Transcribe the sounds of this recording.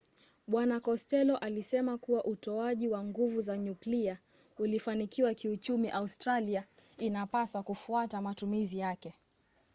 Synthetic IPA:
ɓwanakɔstɛlɔʔalisɛmakuwaʔutɔaʄiwaŋɡuvuzaɲuklia | ulifanikiwakiut͡ʃumiʔaustɾaliainapaswakufuatamatumizijakɛ

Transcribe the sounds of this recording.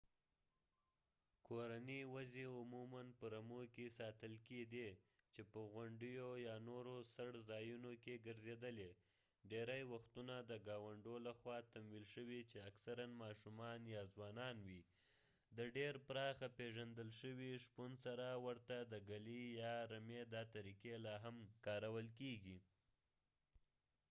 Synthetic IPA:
kʰoɾaniwazeʊmumanpəɾamokesɑt̪əlked̪et͡ʃepəɣaɳɖəjojɑnoɾosaɽzɑjunokeɡəɾzed̪əle | ɖeɾajwaxt̪unad̪əɡɑwaɳɖolaxwɑt̪amwilʃəwit͡ʃeaksaɾanmɑʃumɑnjɑzwɑnɑnwi | d̪əɖeɾpɾɑxapeʒand̪əlʃəwiʂpunsaɾawəɾt̪ad̪əɡalijɑɾamed̪ɑt̪aɾikelɑɦamkɑɾawəlkeɡi

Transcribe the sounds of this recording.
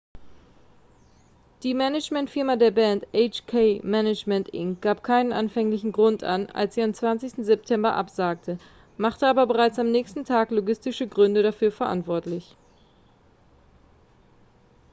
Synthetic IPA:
d̥iːmɛnɪd͡ʒmɛntfɪɐmadeːɐbɛːntʔɛɪt͡ʃkʰeːmɛnɪt͡ʃmɛntʔɪ̰ŋɡ̥aːpkʰaɪnənʔanfɛŋlɪçn̩ɡʁʊnta̰na̰lsz̥iːamt͡sv̥ant͡sɪçstn̩zɛp̚tʰɛmbɐʔa̰pz̥aːk̚tʰə | maχtəʔaːbɐbəʁ̞aɪt͡samnɛːçstn̩tʰaːkloɡɪstɪʃəɡʁʏndəɾafyːɐfɛɐʔa̰ntv̥ɔɐtlɪç

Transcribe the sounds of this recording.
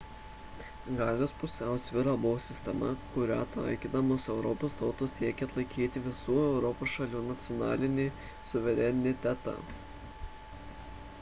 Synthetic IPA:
ɡɑːlʲoːspʊsʲæˑʊsʲʋʲɪɾɑːbʊʋoːsʲɪsʲt̪ʲɛmɐ̰kʊɾʲæ̰t̪ɑ̰ˑɪkʲid̪ɐmoːsɛʊɾɔpoːst̪ɒʊt̪uːssʲiɛkʲeɐt̪lˠɐɪkʲiːt̪ʲɪʋʲɪsuːɛʊɾɔpoːsʃɐlʲuːnɐt̪sʲɪjɔnɑ̰ːlʲɪnʲeː | sʊʋʲɛɾʲɛnʲɪt̪ʲɛt̪ɑ̰ː

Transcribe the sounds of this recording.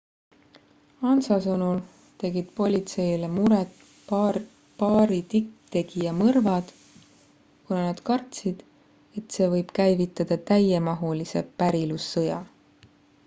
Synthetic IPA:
ɑnsɑsɤnul | t̪e̞ɡid̪̥po̞lʲit̪se̞jlemuɾet̪ | pɑːɾit̪ikt̪e̞ɡ̥ijɑmɤrvɑd̪̥ | kunɑnɑd̪̥kɑrt̪sid̪̥ | e̞t̪se̞ːvɤjb̥kæjvit̪ːˑɑd̪̥ɑt̪æjemɑɦulise̞pæɾilusːɤjɑ

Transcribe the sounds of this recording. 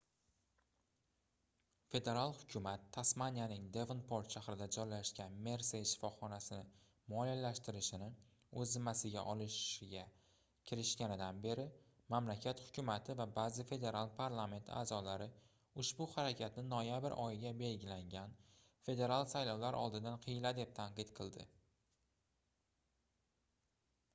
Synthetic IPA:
fe̞d̪e̞ɾalˠhʊ̥kʲʰʊmat̪ʰːasmanʲijanɪŋd̪e̞vnpʰoɾt̪ʃaχɾɪd̪ad͡ʒɒjlaʃkʲanme̞ɾseʃɪ̥fɒχɒnasɪnɪ | mɒlijalaʃt̪ɪɾɪʃɪnɪ | ɵzɪmːasɪɡʲa̰ʔɒlɪʃɡʲa | kʲʰɪɾɪʃkʲanɪd̪anbe̞ɾɪ | mamlakʲʰat̪hʊ̥kʲʰʊmat̪ʰɪvabazɪfe̞d̪e̞ɾalˠpʰaɾlˠame̞nt̪ʰa̰ːzɒlaɾɪ | ʊʃbʊhaɾakʲʰat̪nɪnɒjabɪɾʔɒjɪɡʲabe̞lɡʲɪlaŋɡʲan | fe̞d̪e̞ɾalˠsajlɒwlaɾʔɒ̰lˠd̪ɪd̪anqʰɨjɪlad̪e̞p̚t̪ʰaɴqɨt̪qʰɨlˠd̪ɪ̰

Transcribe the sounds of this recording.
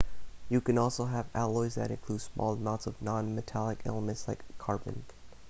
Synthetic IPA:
jɨkɨ̃nɔlˠsoʊəvælˠɔɪzðɨ̰ɾɨ̃nkʰl̥ud̥smɔ̰lˠd̚mãʊ̃tsʌvnɑ̃nmɨtʰælˠəkʰɛ̰lˠəmɨ̃ntslaɪkʰːɑɹbɨ̰̃n

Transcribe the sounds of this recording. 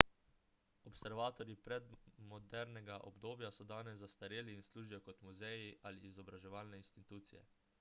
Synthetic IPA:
ɔpsɛɾʋaːt̪ɔɾjipɾɛd̪mɔd̪ɛɾnɛɡaʔɔ̰bd̪oːbjasɔd̪aːnɛzːast̪aɾeːliːnsluːʒijɔkɔt̪muzɛjiʔaliːzɔbɾaʒɛʋaːlnɛinst̪it̪uːt̪sijɛ̰

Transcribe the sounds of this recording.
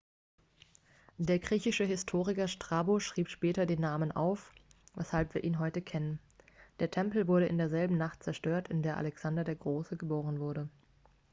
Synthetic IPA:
d̥eːɐɡʁiːçɪʃəɦɪstʰoːʁɪkɐʃtʁ̥aboʃʁ̥iːpʃpɛːtɐdeːnːaːmənʔa̰ʊfvɛshalpv̥iːɐʔiːnɦɔʏtəkʰɛnən | d̥eːɐtʰɛmpl̩vʊɐɾəʔɪndeːɐzɛlbm̩naχt̚t͡sɛɐʃtøːɐtɪndeːɐʔa̰lɛksandɐdeːɐɡʁoːsəɡəboːʁ̞ənvʊɐɾə

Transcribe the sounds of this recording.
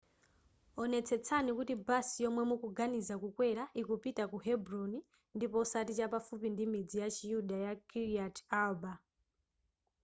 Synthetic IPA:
ɔnɛt͡sʰɛt͡sʰanikutibasijɔmwɛmukuɡanizakukwɛɾaʔikupitakuɦɛbɾɔni | ndipɔsatit͡ʃapafupindimid͡zijat͡ʃijuɗajakʰiɾiatʰalba

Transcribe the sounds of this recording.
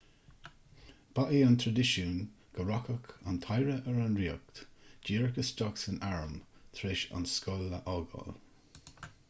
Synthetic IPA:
b̥aʔiːant̪ʰɹad̪ɪʃun | ɡ̥əɹɔkəka̰nt̪ʰajɹəʔəɹanɹiək̚t̪d͡ʒiːɹkəst̪ɔksənaɹəmt̪ʰɾeʃa̰nskɔlːəʔɔɡɔ̰l

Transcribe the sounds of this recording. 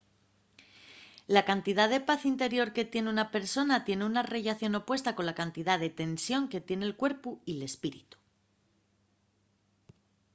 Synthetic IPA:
lakant̪iðaðe̞paθint̪e̞ɾjo̞ɾket̪je̞neunape̞ɾso̞nat̪je̞neunare̞ʝaθjo̞no̞pwe̞st̪ako̞nlakant̪iðaðe̞t̪e̞nsjo̞ŋke̞t̪je̞ne̞lkwe̞ɾpuile̞spiɾḭt̪u̥

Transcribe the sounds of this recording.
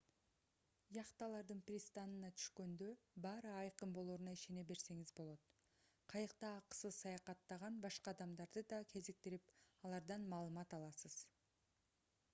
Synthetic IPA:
jɑqt̪ɑlˠɑɾd̪ɯnprʲist̪ɑnɯnɑt̪ʰy̥ʃkø̞nd̪ø̞bɑːɾɯɑjqɯmbo̞lˠoːɾunɑiʃe̞ne̞be̞ɾse̞ŋizbo̞lˠo̞t̪ | qʰɑjɯqt̪ɑːqə̥sɯzsɑjɑqɑt̪ːɑʁɑnbɑʃqɑɑd̪ɑmd̪ɑɾd̪ɯd̪ɑkʲʰe̞zik̚t̪iɾipɑlˠɑɾd̪ɑnmɑːlˠɯmɑt̪ɑlˠɑsɯz̥

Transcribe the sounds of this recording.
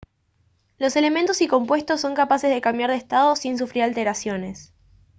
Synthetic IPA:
lo̞se̞le̞mẽnt̪o̞siko̞mpwe̞st̪osːo̞ŋkapasezðekambjaɾð̞est̪að̞o̞sins̬ufɾiɾalt̪e̞ɾasjo̞ne̞s

